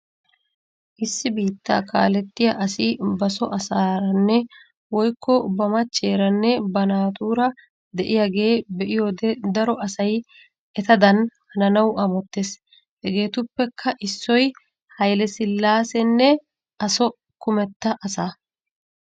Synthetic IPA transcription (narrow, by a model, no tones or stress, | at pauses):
ʔɪsːɪbiːt̪ːa̰ːkʰa̰ːlɛt̪ːɪjaʔɐsɪbɐsɔʔɐsaːɾɐnːɛ | wɔjkʰːɔbɐmɐt͡ʃːe̞ːɾɐnːɛbɐnaːt̪uːɾɐ | d̪ɛʔɪjɐɡe̞ːbɛʔɪjɔd̪d̪ɐɾɔʔɐsɐj | ɛt̪ɐd̪ɐnhɐnɐnɐwɐmɔt̪ːeːs | hɛɡe̞ːt̪ʊpːɛkʰːɐʔɪsːɔj | hɐjlɛsɪlːaːsɛnːɛ | ɐsɔ | kʊmɛt̪ːɐʔɐsaː